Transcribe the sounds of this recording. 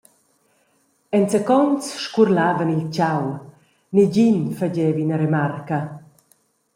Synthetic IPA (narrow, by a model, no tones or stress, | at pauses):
ɛnsɛkɔnt͡sʃkurlaːvənilt͡ɕaw | nid͡ʑinfad͡ʑɛːvinəɾemarkə